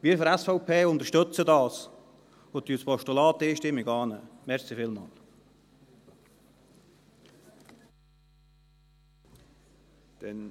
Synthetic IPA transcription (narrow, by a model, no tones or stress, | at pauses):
ʋiəfəɾɛsfɔʊpʰeːʊnt̪əɾʃtɵt͡sədɑːs | odyːspɔʃtulɑːt̪iːʃtɪmːɪɡɑːnəmɛʁsifɪlmɑ̰ːl | d̪̥ɛn